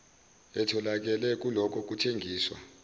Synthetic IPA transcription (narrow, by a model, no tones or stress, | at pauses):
ɛtʰɔlak̬ɛlɛk̬ʼulɔkʰɔk̬ʼutʰeŋɡʱiːswa̰